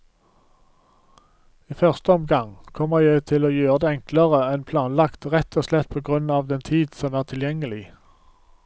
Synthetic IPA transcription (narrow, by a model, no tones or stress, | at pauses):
iːfœʁst̪əɔmɡɑŋkʰɔməʁjæɪt̪ʰɪloːjøːʁəd̪eːɛŋkləʁəɛnpʰlɑːnlɑkt̪ʁɛt̪ʰoːslɛt̪̚pʰoːɡʁʉnɑːʋd̪ɛnt̪ʰiːd̪sɔmæːʁt̪ʰɪljɛŋəlɪ